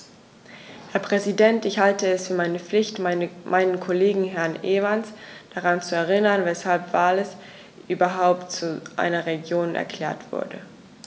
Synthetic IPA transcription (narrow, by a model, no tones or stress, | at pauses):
hɛːɐpʁ̥ɛzidɛntɪçhaltəɛsfyːɐmaɪnəp͡flɪçtmamʔaɪnənkʰoleːɡŋ̩ɦɛɐnʔeːvansd̥aʁant͡suɛɐʁ̞ɪnɐnvɛshalpv̥aːlɛs | ʔyːbɐɦaʊptt͡suʔa̰ɪnɐʁeɡjoːnɛ̰ɐkʰl̥ɛːɐtv̥ʊ̰ɐdə̰